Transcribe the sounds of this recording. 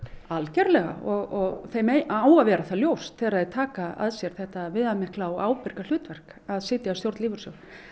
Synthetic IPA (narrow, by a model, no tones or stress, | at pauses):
alcɛɾlɛɣa̰ɔɣɔɣθejmeaːwavɛːɾaθaljowst̪θɛːɾaðɛt̪ʰaːkaa̰ðsjɛɾ̥θɛht̪avɪðamɪhklawaːwpɪɾ̥kal̥ʏːt̪vɛr̥k | aðsɪːt̪jast̪jowɾt̪liːvʏɾ̥sœw